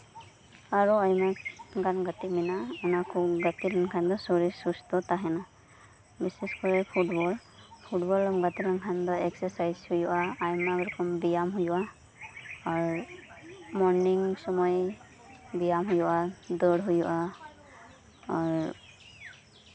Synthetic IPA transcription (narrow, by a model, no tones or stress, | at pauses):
aɾuajmaɡanɡat̪iminaunakɔɡat̪iɾankʰand̪ɔsɔɾisust̪ɔt̪aɦɛna | bisɛskɔɾɛpʰuʈbɔl | pʰuʈbɔlɔmɡat̪iɾankʰand̪ɔɛksɛɾsajzhujuʔaajmakɾɔkɔmbijamɦujuʔa | aɾ | mɔɾniŋsɔmɔj | bijamɦujuʔad̪əɽɦujuʔa | aɾ